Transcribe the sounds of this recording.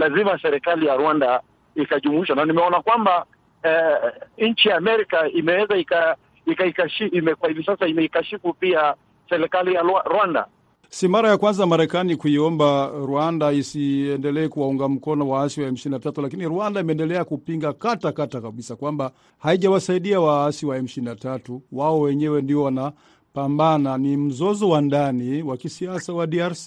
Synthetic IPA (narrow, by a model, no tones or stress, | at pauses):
lazimasɛɾɛkalijaɾwanda | ikaʄumwiʃananimɛɔnakwamba | ɲ̩t͡ʃijaːmɛɾikaimɛwɛzaika | ikaikaʃiimɛkwahivisasaimɛikaʃifupia | sɛɾɛkalijawaɾwanda̰ | simaɾajakwanzamaɾɛkanikuiɔmbaɾwandaisiɛndɛlɛːkuwauŋɡam̩kɔnɔwaasiwaɛm̩ʃinatatulakiniɾwandaimɛndɛlɛakupiŋɡakatakatakaɓisakwamba | haiʄawasaiɗiawaasiwaɛm̩ʃinatatuwaɔwɛɲɛwɛndiɔwana | pambananim̩zɔzɔwandaniwakisiasawaɗiaɾsi